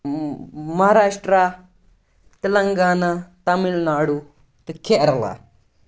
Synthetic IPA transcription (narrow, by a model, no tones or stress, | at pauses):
mɐɦaɾaːʂʈɾa | t̪ɐlɐŋɡaːnat̪amilnaɽu | t̪ɐkʰeʔɾla̰